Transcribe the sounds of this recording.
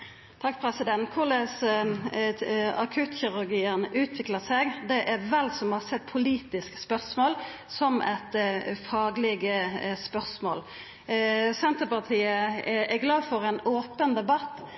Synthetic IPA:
t̪ʰɑkːpʰɾɛsɪd̪ɛnt̪kʰʊlɛs | ɑkʰʉːt̪çɪɾʉɾɡiːənʉːt̪ʰʋɪkləsɛɡd̪ɛʔɛʋɛlsɔmhɑsɛt̪̚ːpʰʊliːt̪ɪskspœʁsmoːl | sɔmɛ̰t̪fɑːɡlɪɡəspœʁsmo̰ːl | sɛnt̪əpɑʁt̪ʰiːəʔɛɡlɑːdfɔɾɛnoːpənd̪ɛbɑt̪ː

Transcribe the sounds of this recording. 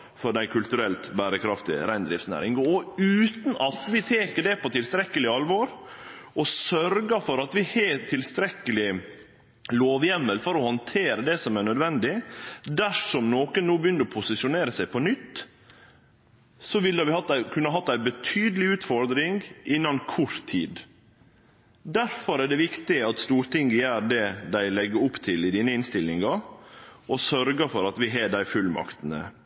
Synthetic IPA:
fɔɖæɪkʰʉlt̪ʉɾɛlt̪bæːɾəkʰɾɑft̪ɪ̰ə̰ɾæɪnd̪ɾɪ̰ft̪snæ̰ːɾɪŋɡəɔʉːt̪n̩ɑt̪ʋɪt̪ʰeːkəɖɛpʰɔt̪ʰɪlst̪ɾɛkːəlɪɑlʋɔɾ | ɔsœɾɡəfɔɾɑt̪ʋɪheːt̪ʰːɪlst̪ɾɛkːəlɪ | loːʋjɛmːəlfɔɾɔhɑnt̪ʰeːɾəd̪ɛsɔmæɳœd̪ʋɛnd̪ɪd̪æʂɔmnoːkənnuːbəjʏnd̪əɾɔpʰʊsɪsʊneːɾəsæɪpʰɔnʏt̪ː | sɔʋɪləʋɪhɑt̪ːkʰʉnːəəɦɑt̪ːæɪbət̪ʰyːd̪əlɪʉːt̪fɔɾd̪ɾɪŋɡɪnːɑnkʰʊɾt̪ʰiːd̪ | d̪æɾfɔɾæːɖɛʋɪkt̪ɪɑt̪st̪uːɾt̪ɪŋɡəjæːdɛd̪æɪlɛɡːəɾʊpt̪ʰɪlɪd̪iːnəɪnst̪ɪlːɪŋɡɑ | ɔsœɾɡəfɔɾɑt̪ʋɪɦɛːɖæɪfʉlmɑ̰kt̪ənə̰

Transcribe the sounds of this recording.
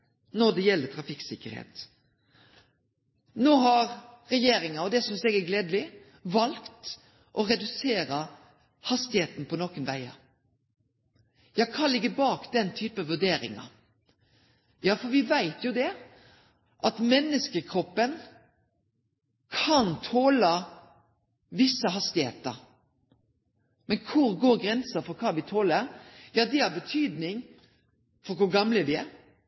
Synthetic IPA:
nɔd̪ɛjɛlːət̪ʰɾɑfɪksɪkːəɾhḛːt̪ | noːɦɑɾɾɛjeːɾɪŋɑɔd̪ɛsɔmsɛɡæɡleːd̪lɪ | ʋɑlkt̪ | ʔɔɾɛd̪ʉseːɾə | hɑst̪ɪheːt̪n̩pʰɔnoːkənʋæ̰ɪɑ̰ | jɑːkʰɑnlɪɡːəbɑːkd̪ɛnt̪ʰyːpəʋʉɖeːɾɪ̰ŋɑ̰ | jɑːfɔɾʋɪʋæɪt̪jʊd̪ɛ | ʔɑt̪mɛnːəskəkʰɾɔpːən | kʰɑnt̪ʰoːlə | ʋɪsːəɦɑst̪ɪhḛːt̪ə̰ɾ | mɛnkʰʊɾɡoːɾɡɾɛnsəfɔɾkʰɑːʋɪt̪ʰoːləɾjɑːd̪ɛɑbət̪ʰyːd̪nɪŋ | fɔɾkʰʊɡɑmləʋɪæɾ

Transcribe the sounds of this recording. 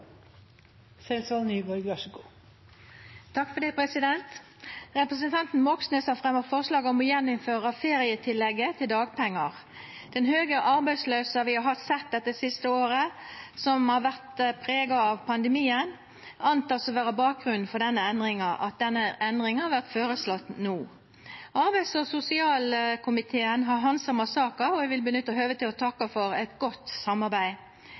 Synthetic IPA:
sɛnsɑlnyːʋɔɾɡʋæʃəko | t̪ʰɑkfɔɖ̪ɛːpʰɾɛsɪd̪ɛnt̪ | ʁɛpʁəsənt̪ʰɑnt̪n̩mɔksnøːsɑfʁɛmːɑfɔʁslɑːɡɔmɔjɛnːʊmføːʁəfeːɾɪət̪ʰɪlːɛɡːət̪ʰɪld̪ɑːɡpʰɛŋːəʁ | d̪̥ɛnhøːɡəʔɑɾbæɪsløːsəʋɪɑɦɑsɛt̪̚d̪ɛt̪ːəsɪst̪əoːɾəsɔmhɑɾʋæʁt̪pʰɾeːɡɑɑʋpʰɑnd̪əmiːən | ɑnt̪ʰɑːsɔʋæːɾəbɑːk̚ɡʁʉnn̩fɔɾɖ̪ɛnːəɛnd̪ʁɪŋɑʔɑ̰t̪̚d̪ɛnːəʔɛnd̪ʁɾɪŋhɑɾʋæʁt̪føːɾəslɔt̪nuː | ɑɾbæɪsɔsʊsɪɑːlkʰʊmɪt̪ʰeːənɦɑɾɦɑnsɑməsɑːkəɔɛɡʋɪlbənʏt̪ːəɔɦøːʋət̪ɪlɔt̪ʰɑkːəfɔɾɛt̪ɡɔt̪ːsɑmɑɾbæɪ

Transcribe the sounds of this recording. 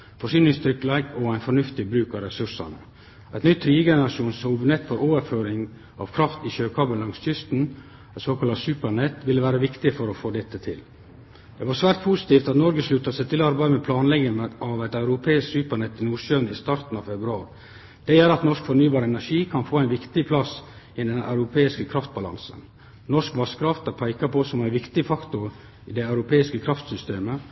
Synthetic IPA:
fɔʂyːnɪŋst̪ʰɾʏkːlæɪɡɔæɪnfɔɳʉft̪ɪbɾʉːkɑɾɛsʉʂɑ̰nə̰ | æɪt̪nʏt̪ʰːɾiːəɡɛnəɾɑʂuːnsɔʋnɛt̪ːfɔɾoːʋəɾføːɾɪŋ | ɑ̰ːʋkʰɾɑft̪ɪɕøːkʰɑːbəllɑŋstʏst̪n̩ | t̪soːkʰɑlɑsʉːpəɾɳɛt̪ːʋɪlːəʋæːɾəʋɪkt̪ɪfɔɾɔfoːd̪ɛt̪ːət̪ʰɪl | d̪̥ɛʋɑɾsʋæːɾt̪̚pʰusɪ̥t̪iːft̪ɑt̪nɔɾɡəslʉt̪ːɑsæɪt̪ʰɪlɔɑɾbæɪd̪əmɛpʰlɑːnlɛɡənʔɑʋæɪt̪ɑʉɾʊpʰeːɪsksʉːpəɳɛt̪ːɪnuːʂønɪst̪ɑɾt̪n̩ɑʋfɛbɾʉɑ̰ːɾ | d̪̥ɛjøːɾɑt̪nɔʂkfɔnyːbɑːɾəɛnæʂiːkʰɑnfoːæɪnʋɪkt̪ɪpʰlɑsɪd̪ɛnːʔɑʉɾʊpʰeːɪskəkʰɾɑft̪̚bɑlɑ̰nsə̰n | nɔʂkʋɑskɾɑft̪ɑpʰæɪkɑpɔsɔmæɪʋɪkt̪ɪfɑkt̪ʊ | ɪd̪ɛɑʉɾʊpʰeːɪskəkʰɾɑft̪sʏst̪eːmə

